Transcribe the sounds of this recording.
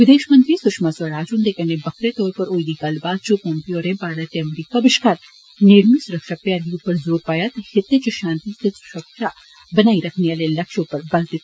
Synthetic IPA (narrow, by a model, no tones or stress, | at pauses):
ʋɪd̪eːʃmə̃nt̪ɾisʊʃmasɐɾaːd͡ʒund̪eːkɐnebɐkɾet̪ɔːɾpɐɾoːid̪ikaːlbaːd̪̚t͡ʃopɔ̃ːmpijoːɾẽpaːɽat̪eɐmɾiːkabɪʃkaːɾ | neːɽmisʊɾɐkʃapjaːɾiupɐɾzoːɾpaːjat̪hɪt̪ːet͡ʃoʃãːnt̪isesʊ̥ʃəkʃa | bɐnaːiɾɐkʰneaːlelɐkʃopɐɾbɐlt̪ɪt̪